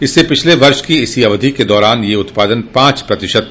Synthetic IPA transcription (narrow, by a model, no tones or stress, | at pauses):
ɪsːepɪt͡ʃʰleʋɐɾʃkiɪsiɐʋd̪ʱiked̪ɔːɾaːnjeʊt̪paːd̪ənpãːt͡ʃpɾɐt̪ɪʃəd̪̚